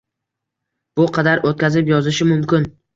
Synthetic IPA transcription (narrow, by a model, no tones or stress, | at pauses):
b̥ʊqʰɑd̪aɾot̪̚kʲazɪpjɒzɪʃɪmʊmkʲɪn